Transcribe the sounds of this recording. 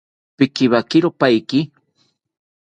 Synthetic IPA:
pɪkiβakɪɾopajki

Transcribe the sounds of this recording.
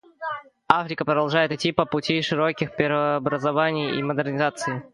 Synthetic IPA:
afɾʲɪkəpɾəd̪ɐlˠʐajɪt̪ɪtʲːipəpʊtʲiʂɨɾokʲɪxpʲɪɾvəːbɾəzɐvanʲɪjḭməd̪ɨrnʲɪzat̪sɨɪ

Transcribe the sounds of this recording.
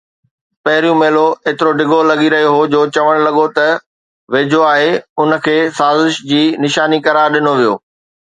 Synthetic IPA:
pɐɦɪɾijũmeːloeːt̪ɪɾoɖɪɡʱolɐɠiɾɐɦijoɦod͡ʑoːt͡ɕɐʋəɽ̃lɐɠot̪ɐ | ʋeːd͡ʑʱoaːɦeʊnə̆kʰeːsaːzɪʃd͡ʑiːnɪʃaːnikɐɾaːɾɗɪnoʋijo̰ː

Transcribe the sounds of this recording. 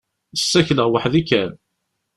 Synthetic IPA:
əsːæçləʁwaħðikːæn

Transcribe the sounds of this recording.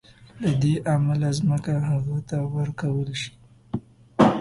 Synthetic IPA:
lad̪eʔamalazməkaɦaɣat̪awəɾkawəlʃi̥

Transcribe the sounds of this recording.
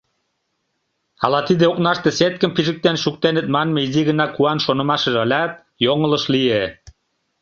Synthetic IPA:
ɑ̰lɑt̪id̪eoknɑʃt̪eset̪̚kə̆mpiʒɘ̆k̚t̪enʃuk̚t̪enɘ̆t̪̚mɑnmeiziɣə̆nɑkuɑnʃonɤ̆mɑʃɤ̆ʒɑlʲɑt̪̚ | joŋɤ̆lɤ̆ʃlije

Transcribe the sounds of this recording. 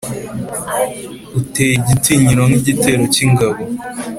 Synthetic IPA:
uteːjiɟitiɲiɾoŋ̥iɟite̞ɾo̞ciŋɡaβo

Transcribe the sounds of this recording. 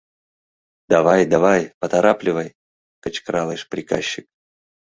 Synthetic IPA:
d̪avajd̪avajpət̪ɐɾaplʲɪvəj | kət͡ɕkɾalˠəjʂpɾʲɪka̰ɕːɪk̚

